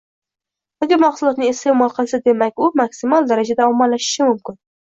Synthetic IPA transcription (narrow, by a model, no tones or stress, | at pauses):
aɡʲaɾmaqsʊlˠɒt̪̚nɪest̪ʰe̞mɒlˠqʰɨlˠsad̪e̞makʲʊmaksɪmɒlˠd̪aɾad͡ʒad̪aɒmːalaʃɪ̥ʃɪmʊmkʲɪn